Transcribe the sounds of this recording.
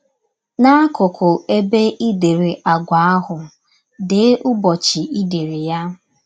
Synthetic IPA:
na˦a˦kʊ˨kʊ˨e˦be˦ʔi˦de˨ɾe˨ʔa˨ɡʷa˨˦a˦ɦʊ˨ | de˨˦ʔʊ˦bɔ˨t͡ʃi˨i˦de˨ɾi˨ja˦

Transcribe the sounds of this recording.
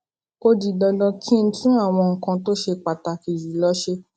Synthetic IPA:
ko˧di˨dɔ˧dɔ̃˧kʰĩ˦˧n̩˦tũ˦a˦˨w̃ɔ̃˧ŋ̩˨kã˧to˦ʃe˧k͡pa˨ta˧ki˨zi˨lɔ˦ʃe˧

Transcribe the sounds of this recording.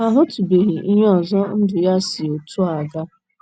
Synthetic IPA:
a˨ɦʊ˦tu˨be˨ɦi˨ʔi˦ɦe˦ɔ˨zɔ˦n̩˦dʊ˨ja˦sɪ˨o˨tu˦a˨ɡa˦

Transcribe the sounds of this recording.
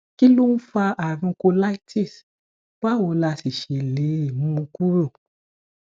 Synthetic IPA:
ki˦lo˦n̩˦fa˧ʔa˨ɾĩ˧ko˧la˦i˦ti˦˨s | b̥a˦wo˨˧˨la˧si˨ʃe˨le˨˦i˦˨mũ˦˧ku˦ɾo˦˨

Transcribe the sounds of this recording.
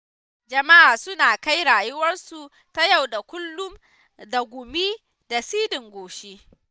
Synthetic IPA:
d͡ʒɐ˨ma˦ʔaː˨sʊ˦naː˨ka˦jɽaː˨jʊ˦wɐ˦rsu˨ | ta˦ja˦˨wɗa˨kʷʊ˦lːʊ˦m | da˨ɡʷʊ˨mi˦ | da˨siː˦dɪ˨ŋɡʷoː˨ʃeː˦

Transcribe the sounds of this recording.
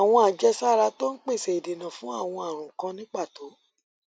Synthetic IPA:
a˨w̃ɔ̃˧a˨d͡ʒɛ˧sa˦˨ɾa˧to˦n̩˦k͡pe˦˨sɛ˨i˨de˨nã˨fũ˨˦a˦˨w̃ɔ̃˧a˨ɾ̃ũ˨kã˧nĩ˦k͡pa˦˨to˨˦

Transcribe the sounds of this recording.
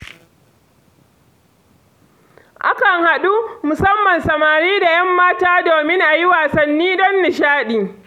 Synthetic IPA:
ʔa̰˦kɐ˨ŋha˨ɗu˦mʊ˨sɐ˦mːɐ˨nsɐ˨maː˨ɾiː˦da˨jɐ˦mːaː˦taː˦doː˨mɪ˦ŋʔa˨ji˦waː˨sɐ˦nːiː˦dɐ˦nːɪ˨ʃaː˦ɗiː˨

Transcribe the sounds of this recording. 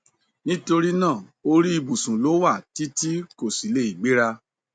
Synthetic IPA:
nĩ˦to˧ɾi˦nãː˦˨o˧ɾi˦i˨bu˨sũ˨lo˨˦wa˦˨ti˦ti˦ko˦˨si˨˦le˦i˨ɡ͡be˦ɾa˧

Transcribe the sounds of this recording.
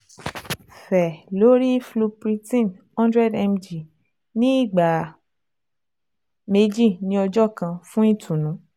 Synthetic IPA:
fɛ˨lo˨˦ɾi˦flu˧pɾi˧tĩ˦˨n | ɔ̃˦ndɾɛ˦˨dɛ˧md͡ʒi˨ | nĩ˦i˦˨ɡ͡ba˨ | me˧d͡ʒi˦˨nĩ˧˦ɔ˧d͡ʒɔ˦˨kã˧fũ˦i˦˨tʰũ˨nũ˨˦

